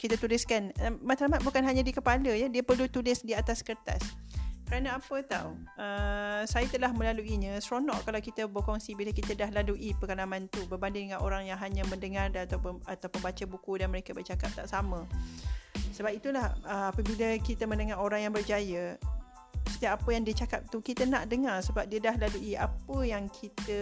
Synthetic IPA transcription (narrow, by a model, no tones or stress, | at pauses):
kit̪at̪ulɪskanəmat̪ɾamat̪̚bukanɦaɲãdikəpaləjədiəpərlut̪ulɪsdiat̪askərt̪a̰skəɾanə̃apət̪a̰wəsajat̪əlahmə̃laluiɲə̃sɾonɔʔkalawkit̪əbokɔŋsibiləkit̪ədahladuʔipəkalamãnt̪ubərbandɪŋdəŋanʔoɾaŋjaŋɦaɲə̃mə̃ndəŋardanat̪awpnat̪awpənbat͡ʃabukudanməɾekabərd͡ʒakap̚t̪aʔsamə̃ | səbap̚it̪ulahəapəbiləkit̪əmə̃ndəŋaɾoɾaŋjaŋbərd͡ʒajə | sə̥t̪iap̚apəjaŋdiət͡ʃakap̚t̪ukit̪ənaʔdəŋarsəbap̚diədahladuʔiʔapəjaŋkʰit̪ə